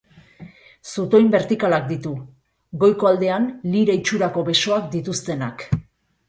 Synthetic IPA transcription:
sut̪o̞imbe̞ɾt̪ikalak̚d̪it̪u | ɡo̞jko̞ald̪e̞anliɾait͡ʃuɾako̞βe̞so̞akd̪it̪ust̪e̞nak

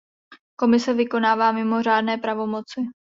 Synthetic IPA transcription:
ko̞mɪsɛvɪko̞naːvaːmɪmo̞r̝aːdnɛːpɾavo̞mo̞t͡sɪ

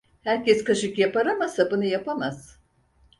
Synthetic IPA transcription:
hæɾcɛskʰaʃɯkjapaɾamasabunɯjapʰamaz̥

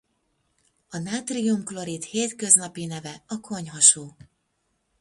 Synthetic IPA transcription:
ɒnaːt̪rijumklo̞ɾit̪heːt̪kø̞znɒpinɛvɛɒkʰo̞ɲɦɒʃoː

